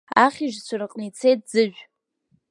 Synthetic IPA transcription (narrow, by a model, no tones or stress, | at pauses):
aχʲiʒt͡ɕʷʰarɨqʼnit͡sʰejt̚d͡zɨʒᶣʷ